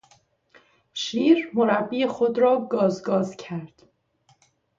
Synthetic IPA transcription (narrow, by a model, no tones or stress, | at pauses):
ʃiːɾmoɾæbːiːexod̪ɾɒːɡɒːzɡɒːzcʰæɾd̪̥